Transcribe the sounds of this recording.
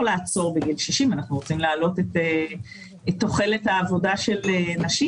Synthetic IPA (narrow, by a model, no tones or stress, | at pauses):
laːt͡so̞ʁbeɡilʃiʃimanaχnuʁo̞t͡simlaalo̞tete | etːo̞χe̞lethaːvo̞daʃe̞lenaʃi